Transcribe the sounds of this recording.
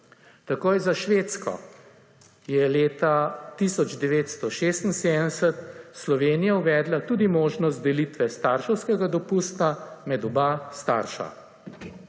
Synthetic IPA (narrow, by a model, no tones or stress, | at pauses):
t̪akojzaʃʋeːt̪skɔ̰ | jɛleːt̪at̪isɔd͡ʒd̪ɛʋeːt̪st̪ɔʃeːst̪nseːd̪ənɛsət̪slɔʋeːnijawʋɛːd̪lat̪uːd̪imoːʒnɔst̪d̪ɛlit̪ʋɛst̪aɾʃɛwskɛɡad̪ɔpuːst̪amɛd̪ɔbast̪a̰ɾʃa̰